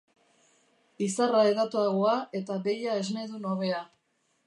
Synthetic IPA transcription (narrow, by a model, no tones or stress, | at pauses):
isaraeðat̪uaɣoaʔe̞t̪aβe̞jae̞zmeðuno̞βe̞a